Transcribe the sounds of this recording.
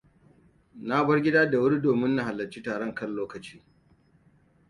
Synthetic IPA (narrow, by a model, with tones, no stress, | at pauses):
na˦bɐ˦rɡʲɪ˦daː˦da˨wʊ˦ɽi˦doː˨mɪ˦nːa˨ha˨lːɐ˨t͡ʃiː˦taː˨ɽɔ˦˨ŋkɐ˦lloː˦kɐ˨t͡ʃiː˦